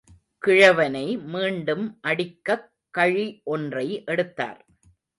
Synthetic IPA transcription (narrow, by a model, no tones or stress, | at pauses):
kɪɻɐʋɐnɐɪmiːɳɖɯmʔɐɽɪkːɐkːɐɻiʔɔndrɐɪʔɛɽɯt̪ːa̰ːɾ